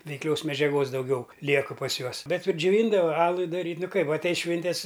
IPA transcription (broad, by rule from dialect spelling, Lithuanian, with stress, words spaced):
ʋʲɛɪkˈlʲoːs mʲɛd͡ʒʲɛˈɡoːs dɐʊˈɡʲɛʊ ˈlʲiɛkɨ pɐs ˈjuɔs ˈbʲɛt ɪr d͡ʒʲʊˈʋʲiːndɐʋɐ ˈɑːlˠʊɪ dɐˈrʲiːtʲ ˈnʊ ˈkɐɪp ɐtʲˈɛɪs ˈʃʲʋʲɪnʲtʲɛs